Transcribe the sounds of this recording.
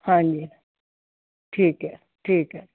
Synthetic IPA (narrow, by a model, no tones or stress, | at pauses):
hãːɲd͡ʑi | ʈʰiːkɦɛ | ʈʰiːkɦɛ